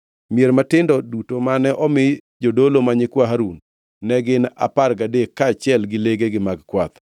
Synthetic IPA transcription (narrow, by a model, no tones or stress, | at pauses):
miɛɾmatɪndɔdutomanɛʔɔmɪ | d͡ʒodolomaɲɪkwaɦaɾunː | ɛɡɪna̰parɡadekːaːt͡ʃɛlɡɪleɡeɡɪmaɡkwat̪